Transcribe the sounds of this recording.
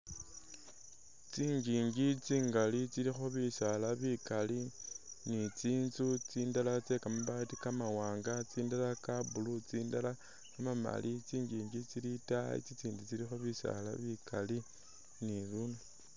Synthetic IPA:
t͡siɲɟiːɲɡit͡siːŋɡalit͡silixoβisalaβikalinit͡siːnzut͡siːndalat͡se̞kamaβatikamawaːŋɡat͡siːndalakabulut͡siːndala | kamama̰lʔit͡siːɲɟiːɲɡit͡silitaḭt͡sit͡siːnzut͡silixoβisa̰la̰βikʰali | nilunu

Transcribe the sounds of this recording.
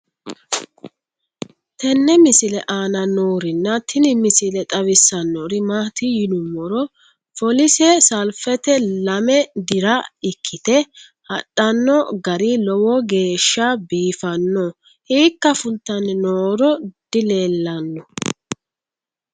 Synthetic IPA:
t̪ʰɛnːɛmɪsɪlɛʔaːnɐnoːɾɪnːɐt̪ʰɪnɪmɪsɪlɛt̪ʼɐβɪsːɐnːɔɾɪmaːt̪ɪjɪnʊmːɔɾɔ | fɔlɪsɛsɐlfɛt̪ɛlɐmɛd̪ɪɾɐɪkʰːɪt̪ɛ | hɐɗːɐnːɔɡɐɾilɔwɔɡe̞ːʃːabiːfɐnːɔ | hiːkːɐfʊlt̪ːɐnːnoːɾɔd̪̥ɪle̞ːlːɐnːɔ

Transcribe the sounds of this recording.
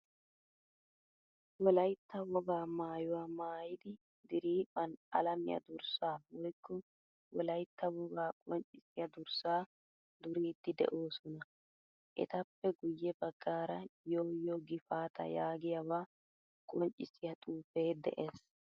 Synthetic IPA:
wɔlɐjt̪ːɐwɔbaːmaːjʊwaːmaːjɪd̪ɪ | d̪ɪɾiːpʼɐnɐ̰lɐmɪ̰jɐ̰d̪ʊɾsaːwɔjkːɔ | wɔlɐjt̪ːɐwɔbaːkʼɔnt͡ʃʼɪsɪjɐd̪ʊɾsaː | dd̪ʊɾiːd̪̥ːɪd̪ɛ̰ʔo̞ːsɔnɐ | ʔɛ̰t̪ɐpːɛɡʊjːɛbɐɡːaːɾɐjo̞ːjɔɡɪfaːt̪ʰɐ̰jaːɡɪjɐbaː | kʼɔnt͡ʃʼːɪsɪjɐt̪ʼuːfe̞ːd̪ɛ̰ʔe̞ːs

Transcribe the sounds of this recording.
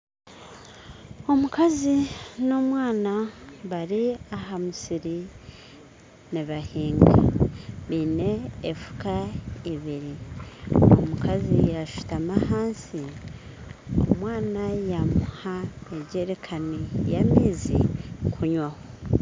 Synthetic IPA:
o̞mukazino̞mwaːnaβaɾiaɦamusiɾi | niβahiːŋɡa̰βiːne̞ːfu̥kaiβiɾi | o̰mukazijaʃu̥tamahaːnsi | omwaːnajamuhaeɟe̞ɾekʰanijamiːzḭkʰuɲwaho

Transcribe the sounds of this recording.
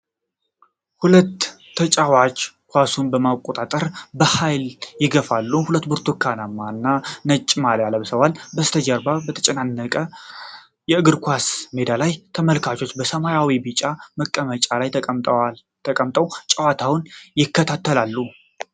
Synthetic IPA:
hulət̪ʰː | ət͡ʃʼawat͡ʃ | kʷasunbəmakʼot̪ʼat̪ʼəɾbəhajljɪɡəfalːuhulət̪ːbuɾt̪ʰukʰːanamːanːanət͡ʃʼːmaljaləβsəwalbəst̪ʰəd͡ʒəɾbabət̪ʰə̥t͡ʃʼɛnanːəkʼə | jɛɨɡɨɾkʰʷasme̞d̪alajt̪ʰəməlkʰat͡ʃo̞t͡ʃːbəsəmajawibɨt͡ʃʼaməkʼːəmət͡ʃʼalaj | t̪ʰəkʼəmt̪ʼəwt͡ʃʼawat̪ʰawnjɪkːət̪ʰat̪ʰːəlalːu

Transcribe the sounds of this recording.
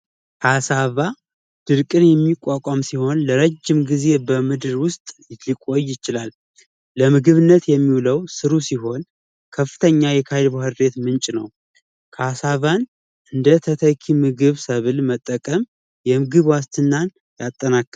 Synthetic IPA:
kʰasaβa | d̪̥ɨɾkʼɨnjɛmːikʼːakʷʼamsiho̞nləɾəd͡ʒːɪmɡize̞bəmɨd̪ɨɾwʊst̪ʼjlɨkʼo̞jːɪt͡ʃɪlalː | əmɨɡɨβɨnːət̪jɛmːiwuləwsɨɾusiɦo̞n | kʰəfːɨt̪ʰəɲːajɛkʰalbahɨɾde̞t̪mɨnt͡ʃʼnə̰w | kʰəasaβan | ʔɨnd̪ət̪ʰət̪ʰəkʰimɨɡɨβsəβɨlmət̪ʼːəkʼəm | jɛmɨɡɨβwast̪ʰɨnːan | jat̪ʼːənakː

